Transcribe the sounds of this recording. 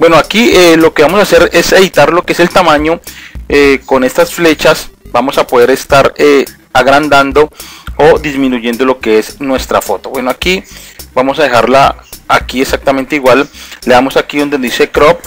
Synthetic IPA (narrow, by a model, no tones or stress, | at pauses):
bwe̞noakielo̞ke̞βamo̞sase̞ɾese̞βit̪aɾlo̞keese̞lt̪amãɲo̞eko̞ne̞st̪asfle̞t͡ʃasbamo̞sapoð̞e̞ɾe̞st̪aɾe | aɣɾand̪and̪o̞oðizmĩnuʝe̞nd̪o̞lo̞ke̞eznwe̞st̪ɾafo̞t̪o̞βwe̞noakibamosaðe̞xaɾlaːkieksak̚t̪ament̪eiɣwalleamo̞sakiðond̪enzisekɾop̚